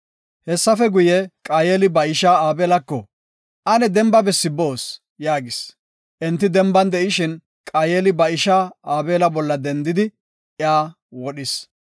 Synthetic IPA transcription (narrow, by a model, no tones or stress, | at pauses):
hɛsːɐfɛɡʊjɛkʼaːjeːlɪbɐɪʃaːaːbeːlɐkːɔ | ʔɐnɛd̪ɛmbɐbɛsːɪbo̞ːs | jaːɡɪs | ʔɛnt̪ːɪd̪ɛmbɐnd̪ɛʔɪʃɪn | kʼaːjeːlɪbɐɪʃaːaːbeːlɐbɔlːɐd̪ɛnd̪ɪd̪ɪ | jaː | wɔɗɪs